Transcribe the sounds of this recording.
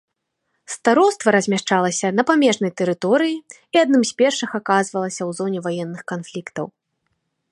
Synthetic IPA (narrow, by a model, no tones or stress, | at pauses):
st̪aɾɔwst̪vɐɾɐzʲmʲaʂt͡ʂalˠɐsʲɐnɐpamʲɛʐnɐjt̪ɛɾɨt̪ɔɾɨji | iad̪̚nɨmsʲpʲɛrʂɨxakazvɐlˠɐsʲɐwzɔnʲɛvajɛnːɨxkanflʲikt̪ɐ̰w